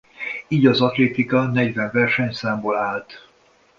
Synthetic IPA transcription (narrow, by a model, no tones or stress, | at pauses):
iːɟɒzɒt̪leːt̪ikɒnɛɟʋɛɱvɛrʃɛɲsaːmboːlaːlt̪